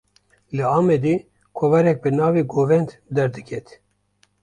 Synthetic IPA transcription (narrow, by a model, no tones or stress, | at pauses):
lɨɑːmɛd̪eː | kʰɔvɛɾɛk̚bɨnɑːveːɡoːvɛnt̪d̪ɛɾd̪ɨkʰɛt̪